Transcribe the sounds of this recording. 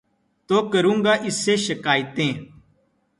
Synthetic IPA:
t̪oːkəɾũːŋɡaːʔɪseːʃəkaːjɪt̪ẽː

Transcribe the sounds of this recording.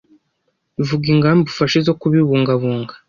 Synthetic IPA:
ivuɡiŋɡambufaʃezo̞kuβiβuːŋɡaβuːŋɡḁ

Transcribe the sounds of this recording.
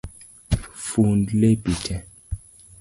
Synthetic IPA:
fundlepitʰɛ

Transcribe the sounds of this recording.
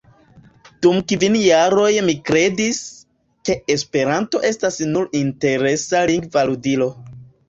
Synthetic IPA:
d̥umkvinjaɾo̞jmikɾe̞dis | ke̞espe̞ɾanto̞ʔe̞stasnuɾinte̞ɾe̞saliŋɡvaludilo̞

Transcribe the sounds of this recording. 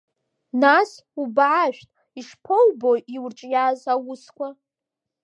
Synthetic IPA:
nas | ubʕaʃᶣtʼ | iʂpʰowbojiwrʈ͡ʂʼjaːzawʊskʷʰa

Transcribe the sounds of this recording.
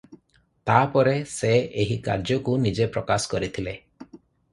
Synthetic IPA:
t̪apɔɾeseeɦika̰ɾd͡ʒɔkunid͡ʒepɾɔkasɔ̥kɔɾit̪ʰile

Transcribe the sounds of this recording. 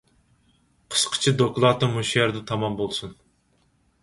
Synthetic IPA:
qʰə̥sqʰə̥t͡ʃʰid̪oklˠɑt̪ɨmuʃɛɾd̪ɛt̪ʰɑmɑmbolˠsun

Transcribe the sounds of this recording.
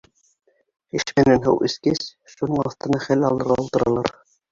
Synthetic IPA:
ɘʃmɘ̆nænɦɤ̰wʔɘ̆skɘs | ʃunɤɴɑ̰θt̪ɤ̆nɑχælɑlˠɤ̆ɾʁɑulˠt̪ɤ̆ɾɑlˠɑɾ

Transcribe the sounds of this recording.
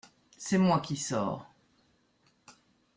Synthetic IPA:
sɛmwakʲisɔ̰ːʁ

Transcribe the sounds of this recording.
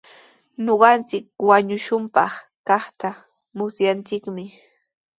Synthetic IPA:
noɢɑnt͡sɪk̚waɲʊʃʊmpɑχ | kɑχt̪a | mʊsjant͡sɪkmɪ

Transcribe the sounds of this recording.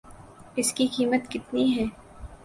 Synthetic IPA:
ɪskikiːmət̪kɪt̪niɦɛː

